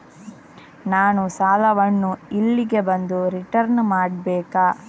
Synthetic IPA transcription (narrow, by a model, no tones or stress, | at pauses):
naːnusaːlɐʋɐnːuilːiɡe̞bɐnd̪uɾiʈɐɾnmaːɽbɛːkaː